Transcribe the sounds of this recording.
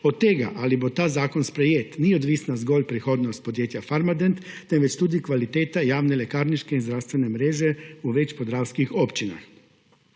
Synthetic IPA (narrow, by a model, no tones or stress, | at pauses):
ot̪ːeɡa̰ʔalibot̪aːzaːkonspɾejeːt̪niod̪ʋiːsnazɡoːlʲpɾixoːd̪nost̪̚pod̪jeːt̪jafaɾmad̪ent̪ːɛmʋɛt͡ʃt̪uːd̪ikʋalit̪eːt̪ajaːwnelekaːɾniʃkeinzd̪ɾawst̪ʋɛnɛmɾeːʒɛuʋɛt͡ʃpozdɾaːwskixopt͡ʃina̰x